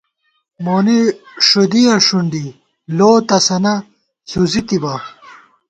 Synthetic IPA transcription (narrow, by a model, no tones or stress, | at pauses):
moːniʂud̪iɐʂuɳɖi | loːt̪ɐsɐnɐ | huzit̪ibɐ